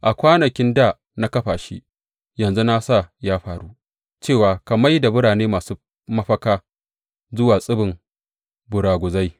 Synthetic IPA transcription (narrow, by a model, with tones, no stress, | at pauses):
ʔa˨kʷaː˦nɐ˨kʲɪ˦ndaː˦˨ | na˦kɐ˦ɸaː˨ʃḭ˦ | jɐ˨nzu˦na˦sa˦˨jaː˦ɸaː˨ɾu˦ | t͡ʃeː˦˨waː˨kɐ˨ma˦jda˨bʊ˦ɽaː˨neː˦maː˨suː˦ | mɐ˦ɸɐ˦kaː˦ | zʊ˦waː˨sʼɪ˦bɪ˨m | bʊ˨ɽaː˨ɡʷʊ˨za˦j